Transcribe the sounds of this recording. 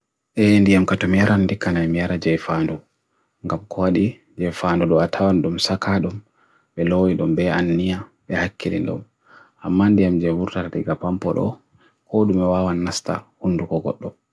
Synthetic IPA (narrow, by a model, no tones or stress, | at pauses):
ʔɛndijamkatɔmijaɾandikanajmijaɾad͡ʒɛjfandɔ | ŋɡamkʰɔwaɗi | d͡ʒɛfandɔɗɔatʰawanɗumsakaɗum | ɓɛlowiɗɔmbɛanːijaɓɛhakʰːinḭnɗɔ̰m | amːandijamd͡ʒɛvuɾtatatɛɡapampɔ̰ɗɔ̰ | kʰoɗumɛwawanːasta̰hunːdukɔɡɔ̰ɗːɔ